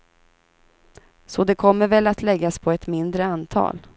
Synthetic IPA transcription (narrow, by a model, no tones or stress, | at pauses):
sɔd̪ɛkʰɔmːəɾvɛlːat̪lɛɡːaspʰɔɛt̪mɪnd̪ɾəant̪ʰɑ̰ːl